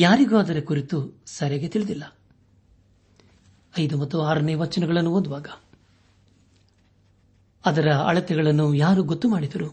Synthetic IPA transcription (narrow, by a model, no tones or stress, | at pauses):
jaːɾiɡuɐd̪ɐɾekuɾit̪usɐɾeɡe̞t̪iɭid̪ilːɐ | ɐjd̪umɐt̪ːuaːɾɐneːʋɐt͡ʃːɐnɛɡɐɭɐnːuond̪uʋaːɡɐ | ɐd̪ɐɾɐɐ̰ɭɐt̪ɛɡɐɭɐnːujaːɾuɡot̪ːumaːɽid̪ɐɾu